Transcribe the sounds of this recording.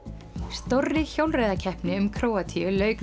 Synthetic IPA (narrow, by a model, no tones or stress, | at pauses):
st̪owrːɪçowlrejðacʰɛhpnɪʏmkʰɾoːwat̪ʰiʏlœːɥk